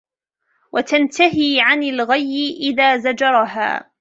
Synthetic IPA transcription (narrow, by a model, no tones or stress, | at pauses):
wʔat̪ant̪aɦiːʕanalɣajːɪʔɪðaːzad͡ʒɑɾˤɑɦa̰ː